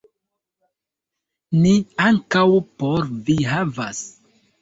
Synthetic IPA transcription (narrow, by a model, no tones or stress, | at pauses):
niaŋkawpoɾviɦava̰s